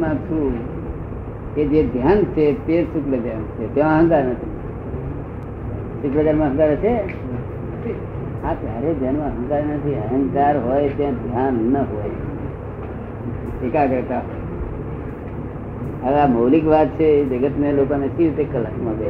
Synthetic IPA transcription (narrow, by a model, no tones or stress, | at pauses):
mãt͡ʃʰu | ked͡ʒed̪ʱjant͡ʃʰet̪eɾsukləd͡ʒ̪ant͡ʃʰet̪ẽmãɦə̃ŋkaɾnət̪ʰi | sukləd͡ʒanmãɦə̃ŋkaɾt͡ʃʰe | aɦəɾed͡ʒ̪ʱanmãɦə̃ŋkaɾenət̪ʰiɦəɦə̃ŋkaɾɦoet̪ẽd̪ʱjanːəɦoj | sekakəɾt̪aɦo | əlamowlikʋat̪̚t͡ʃʰed͡ʒəɡət̪mẽlokãmẽt͡ʃʰit̪ekːələkmãbe